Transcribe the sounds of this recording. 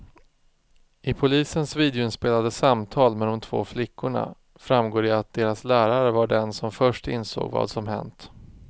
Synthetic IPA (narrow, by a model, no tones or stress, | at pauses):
ɪpʰʊliːsənsviːd̪ɛʊɪnspeːlad̪əsamt̪ʰɑːlmɛd̪ɔmt̪ʰv̥o̰ːflɪkʰːʊɳa̰ | fɾamɡoːɾɪat̪̚d̪eːɾaslæːɾaɾəvaɖɛnsɔmfœʂʈɪ̰nso̰ːɡvɑ̰ːd̪sɔmɦɛ̰nt̪